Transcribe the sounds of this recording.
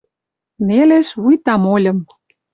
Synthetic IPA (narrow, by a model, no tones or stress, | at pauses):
neleʃβujt̪ɑmolʲɤ̆m